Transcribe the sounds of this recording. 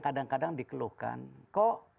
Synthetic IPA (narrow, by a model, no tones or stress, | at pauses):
kadaŋkadaŋdikəluhka̰nkɔʔ